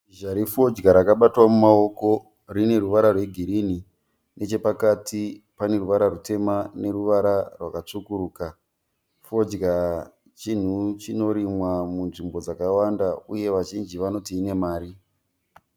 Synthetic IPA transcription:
ʒaɾifo̞d͡ʒɡaɾakaɓatwamumao̞ko̞ | rine̞ɾuʋaɾarwe̞ɡʱiɾini | ne̞t͡ʃe̞pakatʰi | pane̞ruʋaɾarute̞mane̞ruʋaɾarwakat͡sukuɾuːka | fo̞d͡ʒɡa | t͡ʃin̤ut͡ʃino̞ɾimwamunʐimbo̞d͡zakawandauje̞ʋaʒind͡ʒiʋano̞tiːne̞maːɾi

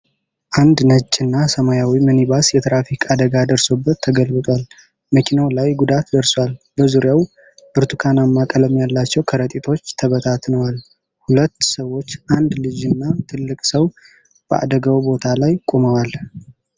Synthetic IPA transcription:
ʔand̪nət͡ʃʼːɨnːasəmajawimənibasjɛt̪ʰɾafikʰʼad̪əɡad̪əɾso̞bːət̪ʰːəɡəlbɨt̪ʼwal | məkʰinawlajɡud̪at̪d̪əɾswalbəzuɾjaw | bɨɾt̪ʰukʰanamːakʼələmjalːat͡ʃːɛwkʰəɾət̪ʼit̪ʰo̞t͡ʃːt̪ʰəβət̪ʰat̪nəwal | hulət̪ːsəwːo̞t͡ʃːʔand̪lɨd͡ʒɨnːat̪ʰɨlːɨkʼsəw | b̥əʔa̰d̪əɡawbo̞t̪ʰalajkʼuməwal

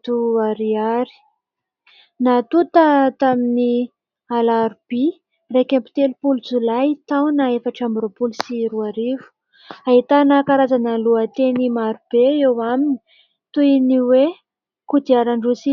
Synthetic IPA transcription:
t̪uaɾiaɾi̥ | nat̪ut̪ət̪amini | alaɾub̥i | rekampi̥t̪elupulut͡sulajt̪awnaefaʈ͡ʂambɾopulusiɾuaɾivu̥ | aɦit̪anakaɾazanəluət̪enimaɾub̥eewamini̥ | t̪uiniwe | kud̪iaɾaɳɖ͡ʐusi

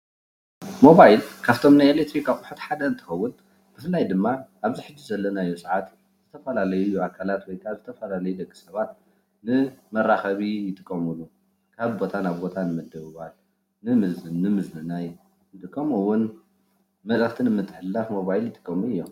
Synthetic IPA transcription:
mo̞βajlkʰaβt̪ʰo̞mnajelek̚t̪ʰɾikʰakʼʊħut̪ħad̪ɐɨnt̪ʰɨ̥xɐwːʊn | b̥ɨfɨlːajd̪ɨmːaʔaβziħɨd͡ʒːizɐlːɐnajosʼɨʕat̪ | z̥ɨt̪ʰɐfɐlalɐjujuakʰalat̪wɔjkʰaβzɨt̪ʰɐfɐlalɐjud̪ɐɡːɨsɐβat̪ | nɨmɐraxɐβijɪt̪ʼɨkʼːɐmulu | kʰaβbo̞t̪ʰanaβbo̞t̪ʰanɨmɐd̪ɐβɨβal | nɨmɨzɨnːɨmɨznɨnaj | ɨnt̪ʼɨkʼːɐmɨwːun | mɐlɐxt̪ʰɨnɨmɨt̪ʼːɨħɨlːafmo̞βajljɪt̪ʼɨ̥kʼːɐmuɨjːom

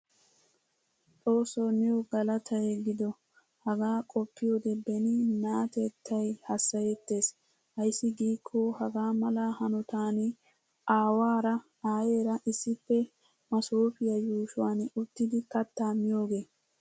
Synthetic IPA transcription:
t̪ʼo̞ːsoːnɪwʊɡɐlɐt̪ʰɐjeɡɪd̪ɔ | hɐɡaːkʼɔpːɪjoːd̪ɛbɛnɪnaːt̪et̪ʰːɐjhɐsːɐjɛt̪ːe̞ːs | hɐjsːɪɡiːkʰːoːhɐɡaːmɐlahɐnʊt̪aːnɪ | ʔaːwaːɾɐ | aːje̞ːɾɐʔɪsːɪpːɛ | mɐsoːfɪjɐjuːʃʊwaːnʊt̪ːɪd̪ɪkɐt̪ːaːmːɪjo̞ːɡe̞ː

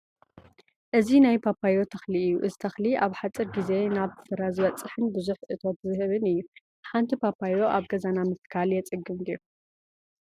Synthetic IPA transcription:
ʔɨzinajpʰapʰajo̞t̪ʰɐxliɨjːuʔɨzit̪ʰɐxliaβħat͡sʼɨɾɡize̞naβsɨɾazɨβɐt͡sʼɨħɨnbɨzuħʔɨt̪ʰo̞t̪zɨhɨβɨnɨjːu | ħant̪ʰipʰapʰajo̞ʔaβɡɐzanamɨt̪kʰaljɛt͡sʼɨɡɨmɡiɾu

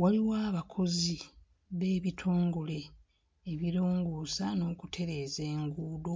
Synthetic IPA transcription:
waliwaːβakʰo̞zi | βe̞ːβitʰoːŋɡole̞ː | βiɾoːŋɡuːsano̞ːkutʰe̞ɾe̞ːze̞ːŋɡuːdo

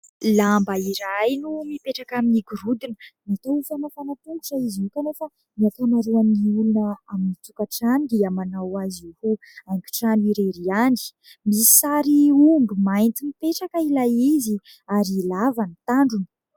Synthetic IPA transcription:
lambaiɾajnumipeʈ͡ʂakaminiɡuɾud̪inənat̪aufanafanat̪uŋku̥ʈ͡ʂaiziukanofa | miak̪anaɾuaniulunəaminit͡sukaʈ͡ʂanid̪iamanawazuhu | ajŋkʲi̥ʈ͡ʂaniɾeɾiani̥ | misi̥saɾiuɳbumajnt͡simipeʈ͡ʂakəilajizi | aɾilavanit̪aɳɖ͡ʐun

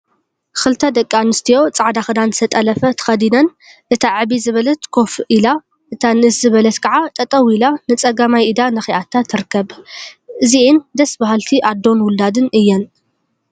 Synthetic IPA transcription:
kɨlt̪ʰɐd̪ɐkʼːanɨst̪ʰijo̞t͡sʼaʕd̪axɨd̪anzɨ̥st̪ʰɐt̪ʼɐlɐfɐt̪ʰɐ̥xɐd̪inɐn | ʔɨt̪ʰaʕɨβizɨβɐlɐt̪kʰo̞fila | ʔɨt̪ʰanɨszɨβɐlɐt̪kʰɐʕat̪ʼɐt̪ʼɐwilanɨt͡sʼɐɡamajɨd̪anɐxiʔat̪ʰːat̪ʰɨɾɨkːɐbʔɨziɨnd̪ɐsbahalt̪ʰiʔad̪o̞nwʊld̪ad̪ɨnɨjːɛn

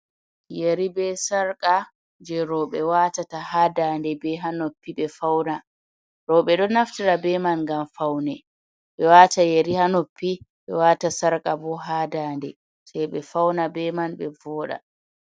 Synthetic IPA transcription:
jeɾibɛsaɾkʼa | d͡ʒɛɾɔɓɛwatatahaːdaːndɛbɛɦanopːiɓɛfawna | ɾɔɓɛɗɔnaftiɾabɛmanŋɡamfawnɛ | ɓɛwaːtajeɾihanopːiɓɛwaːtasaɾkʼabɔɦaːdaːndɛ | sɛɓɛfawnabɛmanɓɛvɔːɗa̰

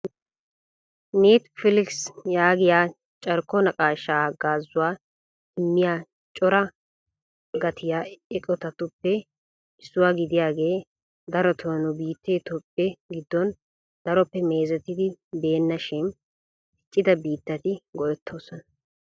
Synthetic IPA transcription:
neːt̪fɪlɪksjaːɡɪjaː | t͡ʃʼɐɾkːɔnɐkʼaːʃːaːɡaːzːʊwaː | ɪmːɪjaː | t͡ʃʼɔɾɐ | ɡɐt̪ʰɪjaːɛkʼɔt̪ɐt̪ʊpːɛ | ɪsːʊwaːɡɪd̪ɪjaːɡe̞ː | d̪ɐɾɔt̪ʰoːnʊbiːt̪ːeːt̪ɔpʼːɛɡɪd̪ːɔn | d̪ɐɾɔpːɛme̞ːzɛt̪ɪd̪ɪbe̞ːnːɐʃɪn | ɪt͡ʃʼːɪd̪ɐbiːt̪ːɐt̪ɪɡɔʔɛt̪ʰːo̞ːsɔnɐ̥

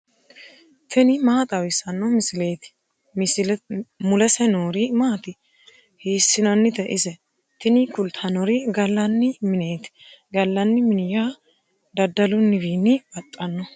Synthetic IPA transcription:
t̪ʰɛnɪmaːt̪ʼɐwɪsɐnːɔmɪsɪleːt̪ɪ̥ | mʊlɛsɛnoːɾimaːt̪ɪ | heːsːɪnɐnːɪt̪ɛʔɪsɛ | t̪ɪnɪkʊlt̪ʰɐnɔɾiɡɐlːɐnːɪmɪneːt̪ɪ̥ | ɡɐlːɐnːɪmɪnɪjaː | d̪ɐd̪ɐlʊnːɪbiːnːɪb̥ɐt̪ʼːɐnːɔ

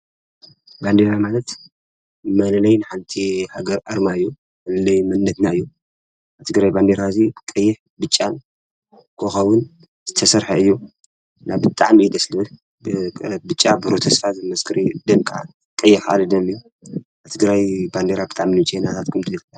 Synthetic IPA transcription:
band̪eɾamalɐt̪ | mɐlɐlɐjnɨħant̪ʰihaɡɐɾʔɐɾmaɨjːu | mɐlɨlɐjmɐnːɐt̪naɨjːu | aβt̪ʰɨɡɾajband̪eɾazikʼɐjːɪħ | bɨt͡ʃʼːan | kʰoxɐwʊn | z̥ɨt̪ʰɐsɐɾħɐɨjːu | naβbɨt̪ʼaʕmid̪ɐslɨ | bbɨt͡ʃʼːabɨɾot̪ʰɐsfat̪zɨmɐskʰɨɾid̪ɨnkʼa̰ | kʼɐjːɪħa̰lɨd̪ɐmiju | aβt̪ʰɨɡɾajband̪eɾabɨt̪ʼaʕminɨt͡ʃʼʰenat̪ʰat̪kʰɨmt̪ʰɨɐlla

